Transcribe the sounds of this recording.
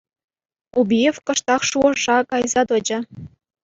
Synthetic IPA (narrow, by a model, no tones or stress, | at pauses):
ubʲijefkɤ̆ʃt̪ɑχʃuɤ̆ʐɑkɑjzɑd̪ɤ̆d͡ʑɤ̆